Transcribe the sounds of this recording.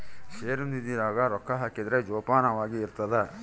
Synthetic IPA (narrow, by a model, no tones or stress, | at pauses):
ʃeːɾund̪id̪iːɾaːɡɐɾɔkʰːɐɦaːkid̪ɐɾed͡ʒɔːpaːnɐʋaːɡiːɾt̪ɐd̪e